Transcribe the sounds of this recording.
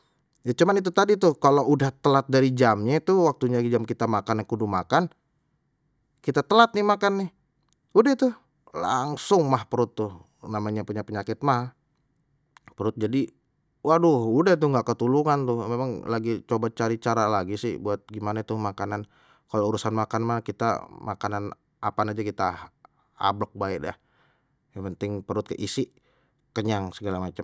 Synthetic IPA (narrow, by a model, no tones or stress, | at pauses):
jat͡ʃumanit̪̬ut̪adit̪ʊhkaloʔudaht̪əlat̪̚daɾid͡ʒamɲat̪uhwak̚t̪uɲaɡid͡ʒamkit̪amakanakudumakan | kit̪at̪əlat̪̚nɪhmakanːɪh | udaht̪ʊ | la̰ŋsʊŋmahpəɾʊt̪ːʊh | namaɲapuɲapəɲakɪt̪̚mah | pəɾʊt̪̚d͡ʒadi | wahdʊhudaht̪ʊŋɡaʔkət̪uluŋant̪ʊhmemaŋlaɡit͡ʃobat͡ʃaɾit͡ʃaɾalaɡisɪ̰hbuat̪̚ɡimanat̪ʊhmakanan | kalouɾusanmakanmakit̪a̰makanan | apanad͡ʒakit̪a | a̰blɔk̚baɪʔdah | japənt̪ɪŋpəɾʊt̪̚kə̰ʔisɪ | kəɲaŋsəɡalamat͡ʃam